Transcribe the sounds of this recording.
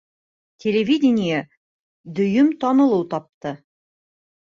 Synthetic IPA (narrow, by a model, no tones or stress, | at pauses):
tʲʰelʲevʲidʲɪnʲija | d̪ɵ̆jɵmt̪ɒnɤ̆lˠɤwt̪ɒp̚t̪ɤ